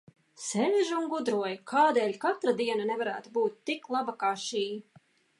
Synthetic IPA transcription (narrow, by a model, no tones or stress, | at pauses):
sɛlʲʒuŋɡud̪ɾuɔjkʰaːd̪eːlʲkat̪ɾad̪iɛnanɛvaɾæːt̪ubuːt̪̚ːiklˠabakaʃiː